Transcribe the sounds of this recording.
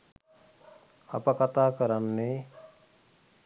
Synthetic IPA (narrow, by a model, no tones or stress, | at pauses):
a̰pakat̪aːkəɾanːe